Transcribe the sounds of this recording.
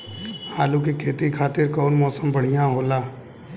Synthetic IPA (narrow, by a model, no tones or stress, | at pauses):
haːlũkikʰeːt̪ikʰaːt̪ɪɾkɔːnmɔːsəmbɐɽ̤ijãɦoːlaː